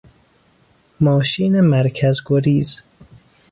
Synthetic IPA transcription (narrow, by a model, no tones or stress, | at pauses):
mɒːʃiːnemæɾkʰæzɡoɾiːz